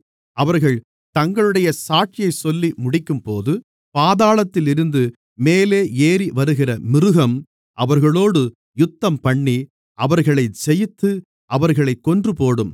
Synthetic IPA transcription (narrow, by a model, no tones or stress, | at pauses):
ɐʋɐɾɣɐɭ | t̪ɐŋɡɐɭɯɽɐjɐsaːʈ̚t͡ʃɪjɐɪsɔlːimʊɽɪkːɯmpoːðɯ | paːðaːɭɐt̪ːɪlɪɾɯnd̪ɯ | meːleːeːɾiʋɐɾɯɣɪrɐmɪɾɯɣɐm | ʔɐʋɐɾɣɐɭoːɽɯ | jʊt̪ːɐmpɐɳːi | ʔɐʋɐɾɣɐɭɐɪsɛjɯt̪ːɯ | ʔɐʋɐɾɣɐɭɐɪkːɔndrɯpoːɽɯm